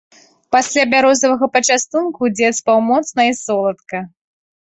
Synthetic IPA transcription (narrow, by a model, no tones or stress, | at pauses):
pasʲlʲabʲaɾɔzɐvɐɣɐpɐt͡ʂast̪unkud͡zʲɛt̪spawmɔt̪snɐisɔlˠɐt̪kɐ